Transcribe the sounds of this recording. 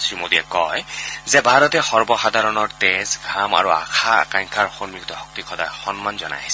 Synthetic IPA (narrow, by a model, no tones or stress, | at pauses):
sɹimodiɛkɔjzɛbʱaɹɔtɛxɔɹbɔxad̪ʱaɹɔnɔɹtezɡʱama̰ɹua̰kʰaa̰kaŋkʰaɹxonmikt̪ɔxɔk̚t̪ikʰɔdaxɔnmanzɔna̰jsɛ